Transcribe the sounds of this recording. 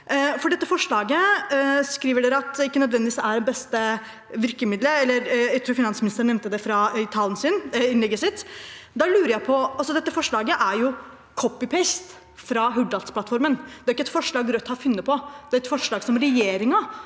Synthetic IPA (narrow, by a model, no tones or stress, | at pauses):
fɔɖɛt̪ːəfɔʂɭɑːɡəskɾiːʋəɖeːɾəɑt̪ɪkːənœd̪ʋɛnd̪ɪʋisæɖɛnbɛst̪ə | ʋɪɾkəmɪd̪ləɛlːəɾjæt̪ʰɾuːfɪnɑnsəmɪnɪst̪əɳɛʋnt̪əd̪ɛfɾɑt̪ʰɑːlən̩sɪnɪnɛɡːəsɪt̪ːd̪ɑlʉːɾəɾjæɪpʰɔɑlsɔd̪ɛt̪ːəfɔʂɭɑːɡəʔæɾjʊ | kʰɔpːɪpʰɛst̪ | fɾɑɦʉɖ̪ɑlt̪splɑt̪fɔɾmənd̪̥ɛæɾɪkːəɛt̪fɔʂɭɑːɡɾœt̪ːhɑɾfʉnːəpʰɔd̪ɛæɾɛt̪fɔʂɭɑːɡsɔmɾɛjeːɾɪŋɑ